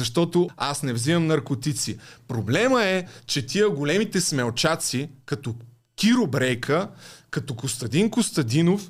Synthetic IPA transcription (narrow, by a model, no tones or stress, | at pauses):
ɐʃt̪ɔt̪oasnɛvzimɐmnɐɾkot̪it̪sipɾoblɛməɛt͡ʃɛt̪ʲiəɡolɛmit̪ɛsmɛlˠt͡ʃat̪sikɐt̪ɔ | kʲiɾobɾɛjkʰəkɐt̪ɔkost̪ɐd̪inkost̪ɐd̪inof